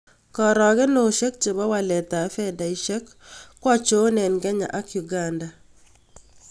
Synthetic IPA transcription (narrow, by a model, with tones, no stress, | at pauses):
kɔ˨ɾɔ˨kɛ˦no˨ʃe˦k̚t͡ʃe˨bɔ˦wa˨lɛ˨ta˨˦fɛ˦da˨i˦ʃɛ˦kː | wɔ˦t͡ʃo˦nɛ˨nɡɛ˦ɲa̰˨ʔa˦kju˨ɡanda˨